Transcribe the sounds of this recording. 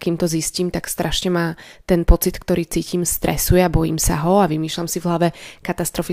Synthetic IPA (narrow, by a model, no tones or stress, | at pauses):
kiːmt̪ɔzisciːmt̪akst̪ɾʔaʃɲɛmaːt̪ɛnpɔt͡sit̪kt̪ɔɾiːt͡siːcimst̪ɾɛ̰sujɛabɔjḭːmsa̰ɦɔaʋimiːʃlamsivɦlaʋɛkat̪ast̪ɾɔfi